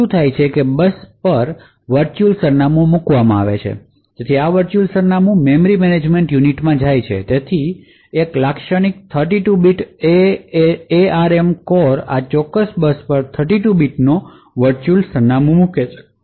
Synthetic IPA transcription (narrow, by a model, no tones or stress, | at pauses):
ũt̪ʰajt͡ʃʰekebəspəɾ | ʋəɾt͡ʃulsəɾnamũmukʋamãaʋḛt͡ʃʰḛ | d͡ʒet̪ʰiaʋəɾt͡ʃulsəɾnamũmemɾimɛned͡ʒmeɳʈjuniʈmãd͡ʒajt͡ʃʰḛt̪et̪ʰi | eklakʃəñik̚t̪ʰəɾʈ̬iʈubiʈe | eaɾemkɔɾa̰t͡ʃɔkːəsbəspəɾt̪ʰəɾʈiʈubiʈno | ʋəɾt͡ʃulsəɾnamõmuket͡ʃʰe̥